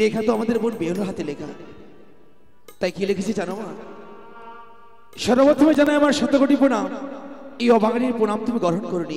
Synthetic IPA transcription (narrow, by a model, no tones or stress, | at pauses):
lekʰat̪oamad̪eɾbonbeɦonoɦat̪elekʰa̰ | t̪ajkilekʰet͡ɕʰid͡ʑanoma | ʃɔɾamad̪ʰʱomed͡ʑanaeamaɾʃɔt̪ːokoʈiponamejɔbʱaɡaɽiɾpoɽamt̪umiɡɔɾɦonkoɾoni